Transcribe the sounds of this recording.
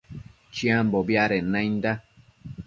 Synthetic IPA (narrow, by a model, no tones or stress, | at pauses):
t͡ʃiãmbobjaɾenãind̪a